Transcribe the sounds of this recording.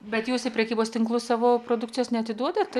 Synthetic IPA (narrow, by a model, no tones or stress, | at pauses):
bʲɛt̪juːsɪpʲɾʲɛkʲiːboːst̪ʲɪŋklˠʊsɑːʋoːpɾoːd̪ʊkt͡sʲɪjoːsnʲɛɐt̪ʲɪd̪uɔd̪ɐt̪ɐ